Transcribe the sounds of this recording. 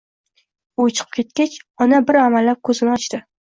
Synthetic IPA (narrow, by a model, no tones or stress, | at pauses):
ʊt͡ʃʰɨ̥qʰɨ̥p̚kʲʰe̞t̪̚kʲat͡ʃɒnabɪɾamalːap̚kʰɵzɪnɪɒt͡ʃt̪ɪ